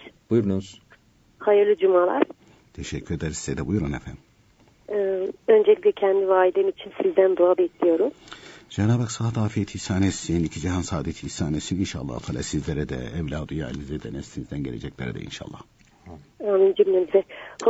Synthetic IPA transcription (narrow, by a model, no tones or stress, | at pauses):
b̥ujuɾnuz̥ | hajɯɾlʲˠid͡ʒumalˠa̰ɾ̥ | t̪ʰeʃɛcʰːyɾed̪eɾizizɛd̪ɛbujuɾunḛfænː | ø̞nd͡ʒelʲiclʲɛcʰɛnd̪ivaːlid̪emiit͡ʃʰinsizd̪ænd̪oabɛcʰlʲijo̞ɾumd͡ʒenaːbaksat̪ʰaːfiet̪ʰisaːnɛsjeniicʰid͡ʒɛɦansaːd̪et̪ʰisaːnesininʃa̰ːlˠːa̰hut̪ʰaːlˠa̰ːsizlʲeɾɛd̪ɛ̰ɛvlʲaːd̪uja̰ːlinizɛd̪ɛnɛsʰinizd̪ænɟḛlʲe̞d͡ʒɛclʲeɾɛ̰d̪ɛ̰ḭnʃa̰ːlˠːa̰h | aːmind͡ʒimlemizɛh